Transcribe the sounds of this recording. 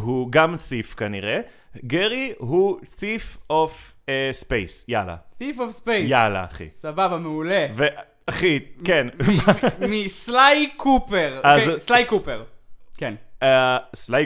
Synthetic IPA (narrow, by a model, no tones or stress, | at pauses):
ɦuɡamθifkaniʁe | ɡeʁiɦuθifof | espejsjala̰θifofspejjala̰ːχḭsababameuleve | aχikenmamislajkʰupeʁazslajkupeʁken | slaj